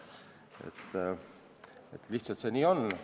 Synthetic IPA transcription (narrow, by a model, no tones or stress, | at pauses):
ḛt̪ː | et̪ːliht̪sɑlt̪seniːo̞n